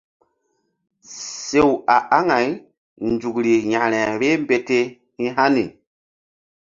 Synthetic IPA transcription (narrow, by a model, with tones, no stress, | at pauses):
se˨wa˨ʔa˦ŋa˨j | nd͡ʒu˨kɾi˨ja˨ɾɛ̃˨ɾe˦mbe˨te˦ | hĩ˦ɦa˦ni˨